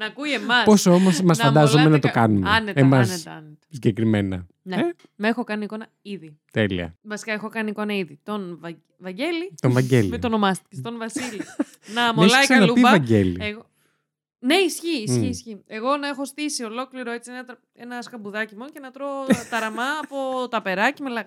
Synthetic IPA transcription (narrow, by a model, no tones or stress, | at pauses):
nɐːkuiemɐsposomosmɐsfɐd̪ɐzomenɐt̪okɐnumɐnetemɐsnet̪ɐɐnet̪ɐ̥siɲɟekɾimenɐ̰ | n | mexokɐniko̞nɐ | iði | t̪elḭɐ̰vɐsi̥kɐexo̞kɐniko̞nɐiðit̪o̞nvɐ | vɐɲɟe̞lit̪onvɐɟelimet̪ono̞mɐst̪i̥cest̪o̞nvɐsili | nɐmolɐisɐɐluibɐvɐɟelḭeɣo | ne̞isçiːssçiːsçie̞ɣo̞nɐexo̞st̪isio̞lo̞kliɾo̞et͡sienɐt̪ɐ | enɐskɐbuðɐcimonoce̞nɐt̪ɾot̪ɐɾɐmɐːpo̞t̪ɐpe̞ɾɐcimelɐɣ